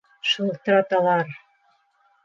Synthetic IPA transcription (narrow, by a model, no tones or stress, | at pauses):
ʃulˠt̪ɾɑt̪ɑlˠɑɾ